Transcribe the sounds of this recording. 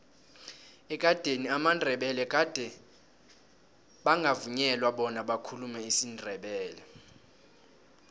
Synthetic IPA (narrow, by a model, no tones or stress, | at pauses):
ɛk̬ʼad̥ʱeniamandʱɛɓɛlɛk̬ʼad̥ʱɛ | ɓaŋɡʱavuɲɛlwaɓɔnaɓakʰulumɛisindʱɛɓɛːlɛ